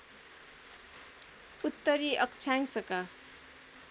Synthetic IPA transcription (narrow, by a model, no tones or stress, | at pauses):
ut̪ːʌɾiʔʌk̚t͡sʰaŋsʌka